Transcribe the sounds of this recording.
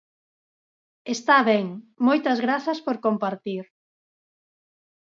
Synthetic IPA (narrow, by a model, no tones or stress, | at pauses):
est̪aβɛŋmojt̪ɐzɣɾaθɐspoɾkompaɾt̪iɾ